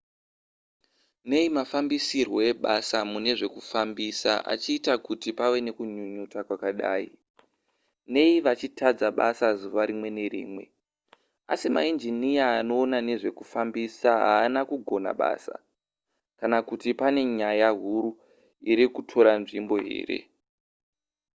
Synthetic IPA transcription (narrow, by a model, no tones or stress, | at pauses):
ne̞imafambisirwo̞e̞ɓasamune̞ʐe̞kufambisa̰ʔa̰t͡ʃiːtakutipawe̞ne̞kuɲuɲutakwakaɗa̰ːḭ | ne̞iʋat͡ʃitʰad͡zaɓa̰sazuʋaɾimwe̞ne̞ɾḭːmwe̞ | a̰sima̰ind͡ʒinijaːno̞ːnane̞ʐe̞kufambisaɦa̰ːnakuɡʱo̞na̰ɓa̰ːsa̰ | kanakutipane̞ɲajaɦuɾu | iɾikutʰo̞ɾanʐimbo̞ɦe̞̰ːɾe̞̰